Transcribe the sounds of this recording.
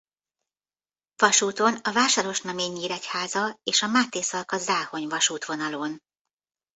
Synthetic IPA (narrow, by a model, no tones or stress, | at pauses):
vɒʃuːt̪o̞nɒvaːʃaːɾo̞ʃnɒmeːɲːiːɾɛchaːzɒeːʃɒmaːt̪eːsɒlkɒzaːho̞ɲvɒʃuːt̪ʋo̞nɒlo̞n